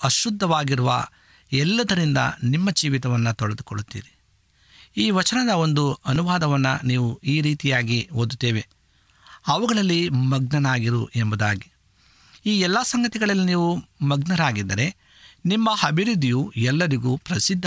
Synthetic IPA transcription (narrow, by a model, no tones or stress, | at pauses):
ɐʃud̪ʱːɐʋaːɡiɾuʋɐ̰ | ɛlːɐd̪ɐɾind̪ɐ̰nimːɐt͡ʃiːʋit̪ɐʋɐnːɐt̪ɔɭɐd̪ukoɭut̪ːḭːɾi | iːʋɐt͡ʃɐnɐd̪ɐo̞nd̪uɐnuʋaːd̪ɐʋɐnːɐniːʋuiːɾiːt̪ijaːɡiɦoːd̪ut̪ːeːʋe̞ | ɐʋɐɡɐɭɐlːimɐɡ̚nɐnaːɡiɾuʔembud̪aːɡi | iːɛlːasɐŋɡɐt̪iɡɐɭɐlːiniːʋumɐɡnɐɾaːɡid̪ːɐɾe̞ | nimːɐhɐbʱiɾud̪ijuɛlːɐɾiɡuːpɾɐsid̪ʱːɐ